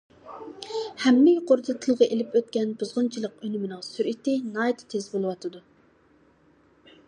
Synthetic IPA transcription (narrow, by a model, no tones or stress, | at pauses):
hɛmːɪjqoɾt̪ʰɨt̪ʰːɨlˠʁɑʔelɪpøt̪kʲɛnbuzʁʊnt͡ʃʰilˠəqønymɪnɨŋsyɾʔit̪ɪnɑjt̪t̪ʰezbolˠɨwɑt̪ʰɨd̪u